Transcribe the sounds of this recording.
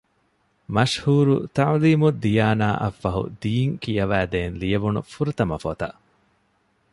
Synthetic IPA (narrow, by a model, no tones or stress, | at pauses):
mɐʃhuːɾut̪ɐʕliːmud̪ijaːnaːʔɐfːɐɦṵd̪iːŋkijɐʋæːd̪eːnlijɐʋunṵfuɾɐt̪ɐmɐfot̪ɐʔ